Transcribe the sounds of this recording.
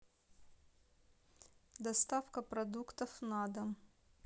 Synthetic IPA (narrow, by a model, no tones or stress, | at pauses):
d̪ɐst̪afkəpɾɐd̪ukt̪ɐfnad̪ə